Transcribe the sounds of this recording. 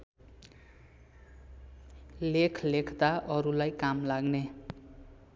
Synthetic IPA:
lekʰlekʰt̪aʔʌɾulajkamlaɡne

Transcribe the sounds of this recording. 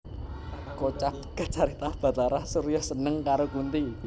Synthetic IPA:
kot͡ʃat̪ɡ̥a̤t͡ʃaɾit̪ahb̥a̤t̪aɾahsuɾjɔhsənəŋkaɾokunt̪i

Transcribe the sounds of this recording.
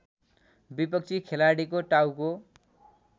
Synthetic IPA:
bipʌk̚t͡sʰikʰelaɽikoʈawko

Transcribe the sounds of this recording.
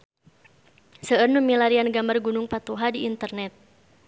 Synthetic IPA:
səərnumilaɾianɡamarɡunʊŋpat̪uɦadiːnt̪ərnɛt̪̚

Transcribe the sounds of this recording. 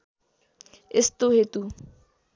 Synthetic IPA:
ɪst̪ʊhet̪u

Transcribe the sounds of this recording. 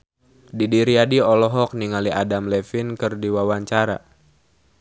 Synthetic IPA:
didiɾiadiɔlɔɦɔk̚niŋaliʔadamlɛfinkɨrdiwawaɲt͡ʃaɾa̰

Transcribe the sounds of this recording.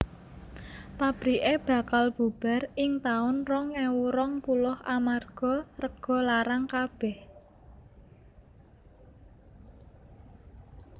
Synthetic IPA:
pab̥ɾiʔeb̥a̤kalb̥ub̥a̤rɪŋt̪aʊnrɔŋewuɾɔŋpulʊhʔamarɡ̥ɔ̤rəɡ̥ɔ̤laɾaŋkab̥ɛh

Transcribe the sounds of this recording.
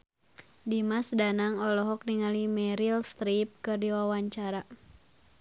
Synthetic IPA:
dimasdanaŋɔlɔɦɔk̚niŋalimɛɾilst̪ɾip̚kɨrdiwawaɲt͡ʃaɾa

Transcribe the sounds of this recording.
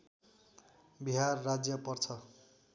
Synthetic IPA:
biɦarːad͡zjʌpʌrt͡sʰʌ

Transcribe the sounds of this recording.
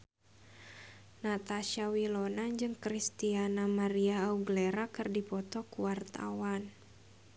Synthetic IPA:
nat̪aʃawilɔnad͡ʒɨŋkɾist̪ianamaɾiaːuɡlɛɾakɨrdipɔt̪ɔkuwart̪a̰wan

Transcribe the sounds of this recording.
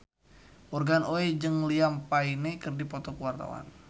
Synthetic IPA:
ʔɔrɡanoed͡ʒɨŋliampainekɨrdipɔt̪ɔkəwart̪a̰wa̰n

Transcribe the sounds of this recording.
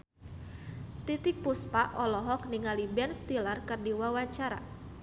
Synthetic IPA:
t̪it̪ɪk̚puspaʔʔɔlɔɦɔk̚niŋalibɛnst̪ilarkɨrdiwawaɲt͡ʃaɾa̰

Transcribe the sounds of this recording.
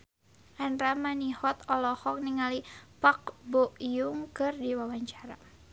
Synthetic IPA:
ʔanɾamanihɔt̪ɔlɔhɔk̚niŋalipak̚bɔʔjuŋkɨrdiwawaɲt͡ʃaɾa̰

